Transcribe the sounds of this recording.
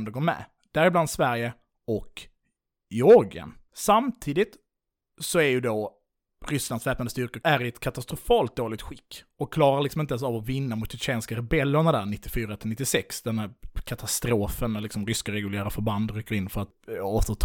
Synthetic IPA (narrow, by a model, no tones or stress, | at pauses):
md̪ɛɡoːɾmɛ̰ | d̪̥æɾɪbland̪svæɾjə | ɔk | jɔɾɡə̰nsamt̪ʰiːd̪ɪt̪ | sɔæɾjɵd̪o | ɾʏslansvɛːp̚nad̪əst̪ʏɾkəæɾɪɛt̪kʰat̪ast̪ɾʊfɑːlt̪̚d̪oːlɪɡ̚t̪ɧɪkː | ɔkkʰːlɑːɾaɾɭlɪksɔmɪnt̪ans̬avɔvɪnːamʊt̪ʃɪt͡ʃeːnskaɾɛbɛlːəɳad̪æɳɪt̪ːɪfyːɾat̪ʰɪlnɪt̪ːɪsɛksd̪ɛnhæɾkʰat̪ʰast̪ɾoːfənlɪksɔmɾʏskaɾɛɡɵlæːɾafœɾband̪ɾyːkːəɾɪnːfœɾat̪oːt̪ət̪ʰ